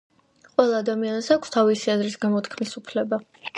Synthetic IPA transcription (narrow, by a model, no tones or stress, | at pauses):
qʼwɛlˠaːd̪amiansakʷʰst̪ʰavisiazɾisɡamɔt̪ʰkʰmisupʰlɛba